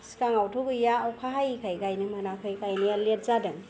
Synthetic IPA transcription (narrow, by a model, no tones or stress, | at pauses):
si̥kaŋawtʰoɡɯjaːwkʰaɦajkʰajɡajnɯmanakʰɯjkajnɯjalet̚zadɯŋ